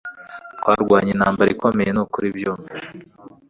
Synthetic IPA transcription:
tkwaːɾɡwaːɲenaːmbaɾikomejenukuɾibjomi

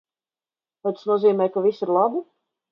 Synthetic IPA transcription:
t̪ɛjt̪asnuɔziːmʲɛjkavisiɾlˠabi

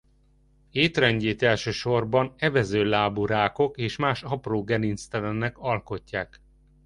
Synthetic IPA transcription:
eːt̪rɛɲɟeːt̪ɛlʃøːʃo̞rbɒnɛvɛzøːlaːbuɾaːko̞keːʃmaːʃɒproːɡɛninst̪ɛlɛnːɛkɒlko̞cːaːk

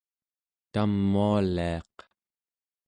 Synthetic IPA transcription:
t̪amːualiɑq

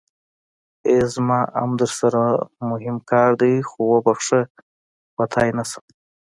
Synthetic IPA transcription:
ezmɑʔa̰md̪əɾsaɾamʊɦɪmkɑːɾd̪əjxowobaxʂə | pat̪ʰɑjnasḁ

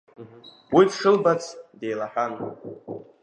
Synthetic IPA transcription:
m | widʂɨlbat͡sʰdejlaħan

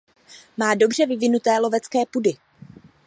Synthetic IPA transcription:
maːdo̞br̝ɛvɪvɪnut̪ɛːlo̞vɛt͡skɛːpudɪ

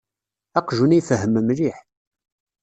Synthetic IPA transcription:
ɑqʒunijfəɦːəməmɾiħ

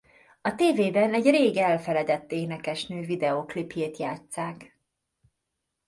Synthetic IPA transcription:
ɒt̪eːveːbɛnɛɟreːɡɛlfɛlɛd̪ɛt̪ːeːnɛkɛʃnøːvid̪ɛoːklipjeːt̪jaːt̪saːk

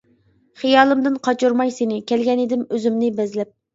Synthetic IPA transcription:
χijɑːlˠɨmd̪ɨnqʰɑt͡ʃuɾmɑjsenɪkʲɛlɡʲɛned̪ɪmøzymnɪbɛzlɛp̚

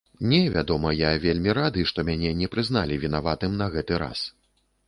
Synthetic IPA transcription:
nʲɛvʲad̪ɔmɐjavʲelʲmʲiɾad̪ɨʂt̪ɔmʲanʲɛnʲɛpɾɨznalʲivʲinavat̪ɨmnɐɣɛt̪ɨɾa̰s

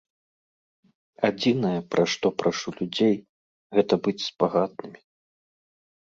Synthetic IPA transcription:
ad͡zʲinɐjɐpɾʔaʂt̪ɔpɾʔaʂulʲud͡zʲej | ɣɛt̪ɐbɨt͡sʲspaɣat̪̚nɨmʲi

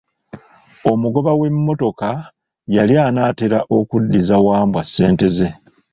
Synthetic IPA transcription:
o̞muɡo̞βawe̞mːo̞to̞ka | jaljaːnaːteɾaʔo̞kudːizawaːmbwasːe̞ːnte̞ze̞

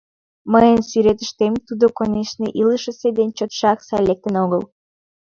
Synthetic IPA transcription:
məjənsyɾet̪əʃt̪emt̪ud̪okonʲeʃnəʔiləʃə̆sed̪enʲt͡ɕot̪ʃɑksɑlʲek̚t̪ənoɣəl

